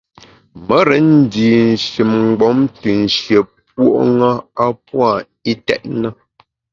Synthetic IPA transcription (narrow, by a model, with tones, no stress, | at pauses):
mə˦ɾə˨˦n̩˦diː˨n̩˨ʃi˨mŋ͡mɡ͡bɔ˨˦mtɨ˨n̩˨ʃje˨p̚wo̰˦˨ʔŋa˦a˦pwa˦˨ | i˦tɛ̰˨ʔ̚nə˦